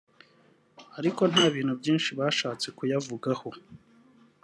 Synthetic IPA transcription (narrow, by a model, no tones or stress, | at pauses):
aɾiko̞n̥haːβiːn̥hubjiːnʃiβaːʃaːt͡se̞kujavuɡaho̞